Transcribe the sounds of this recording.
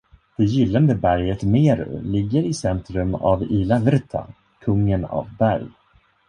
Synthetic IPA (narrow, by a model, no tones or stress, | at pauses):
d̪̥ɛjɪlːand̪əbæɾjət̪meːɾɵ̰lɪɡːəɾɪsɛnt̪ɾɵma̰viːlavɛɾt̪ʰa̰ | kʰɵŋːəna̰vbæɾj